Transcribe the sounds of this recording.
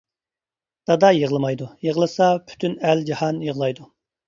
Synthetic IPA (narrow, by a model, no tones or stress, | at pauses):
d̪̥ɑd̪ɑjəʁlˠɨmɑjd̪ujəʁlˠɨsɑpʰy̥t̪ʰynæld͡ʒɑhɑnjəʁlˠɑjd̪u